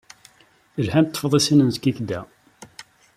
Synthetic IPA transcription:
əlhænt̪ˤːə̥fəðˤisinənskːikd̪æ

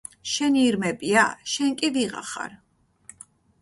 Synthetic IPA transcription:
ʃɛniːɾmɛpʼiaʃɛŋkʼiviʁa̰χa̰ɾ

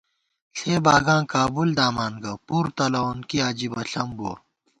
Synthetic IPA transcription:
ɬʰeːbaːɡãːkaːbuld̪aːmaːnɡɐpuɾt̪ɐlɐunkiaːd͡ʑibɐɬɐmbo̰ːɾ

